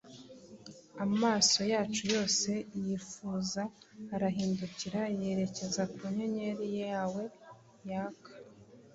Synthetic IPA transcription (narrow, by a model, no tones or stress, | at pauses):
amaːso̞jaːt͡ʃujo̞ːse̞jifuːzaːɾaɦiːnduciɾaje̞ɾe̞ce̞zakuɲeɲe̞ɾijejaːwe̞ | jaːkḁ